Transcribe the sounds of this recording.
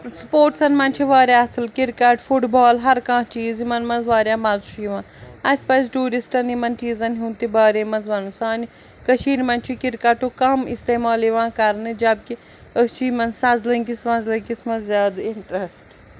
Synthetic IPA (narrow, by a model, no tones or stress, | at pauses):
spoːʈsɐnmɐnʲt͡ʃʰiʋaːɾʲjaːɐsɨlkiɾkɐʈfʰuʈbaːlɦɐɾkãːt͡ʃiːzimɐnmɐnzʋaːɾjaːmɐzt͡ʃʰuiʋãː | ɐspɐjzʈuːɾisʈɐnimɐnt͡ʃiːzɐnɦũːnt̪ibaːɾemɐnzʋɐnusaːni | kɐʃʰiːnmɐnt͡ʃʰikiɾkɐʈukɐmist̪eːmaːliʋãːkɐɾnɨd͡ʒɐb̚ki | əst͡ʃiːmɐnsɐ̃zlɐŋkisʋɐ̃nzlɐkismɐzjaːd̪iɳʈɾesʈ